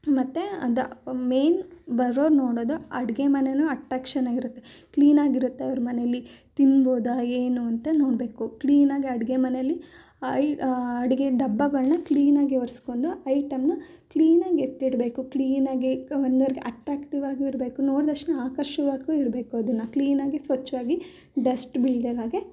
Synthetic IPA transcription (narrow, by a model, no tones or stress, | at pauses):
mɐt̪ːeɐ̰d̪ɐmeːnbɐɾoːɾnoːɽoːd̪uɐɽiɡemɐnenuɐʈɾaːkʂɐnaːɡiɾut̪ːe̞ | kliːnaːɡiɾut̪ːeɐʋɐɾɐmɐnejɐlːit̪inːboːd̪aeːnuɐnt̪ɐno̞ːɽbe̞ːkukliːnaːɡiɐɽiɡemɐnɛjɐlːi | ɐjɐɽiɡeɖɐbːɐɡɐɭnɐkliːnaːɡiɦoɾskoːnd̪uɐjʈɐmnu | kliːnaːɡiet̪ːiɽbe̞ːkukliːnaːɡiond̪oɐɾiɡeʔɐʈɾaːkʈiʋaːɡuiɾbe̞ːkuno̞ːɽd̪ɐʂnɐaːkɐɾʃɐʋaːɡuiɾbe̞ːkuɐd̪ɐnːɐkliːnaːɡisʋɐt͡ʃːʋaːɡi | ɖɐsʈbiɭd̪ɐlaːɡe